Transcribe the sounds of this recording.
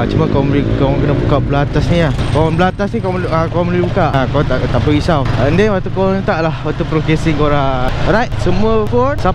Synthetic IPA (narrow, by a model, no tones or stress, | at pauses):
t͡ʃumãkmikawãŋkənabukaʔblaat̪asniakaanblaat̪asnĩkaakaãmlibukaʔkat̪at̪aʔpəisawəndɛnwat̪ukawanut̪aʔlahwat̪upɾokɛsiŋkoɾaɾajt̚səmuəfɔsa